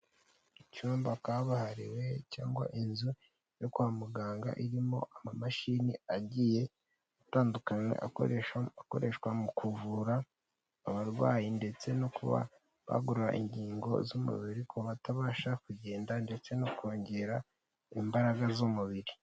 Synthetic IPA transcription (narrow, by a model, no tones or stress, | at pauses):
icuːmbakaβahaɾiwe̞caːŋɡwa̰ʔinzu | jo̞kuhamuɡaːŋɡa̰ʔiɾimo̞̰ʔamamaʃiːniaɟije̞ | ataːndukaɲwḛʔa̰ako̞̰ɾe̞ʃkwamukuvuɾaː | βaɾɡwa̰ːjinde̞t͡se̞nokuβa̰ | βa̰ɡuɾuɾa̰ʔiɲɟiːŋɡo̞̰zumṵβiɾikʰoβataβaːʃakuɟe̞ːndande̞t͡se̞nokoːɲɟe̞ɾa | imbaɾaɡazumuβiɾi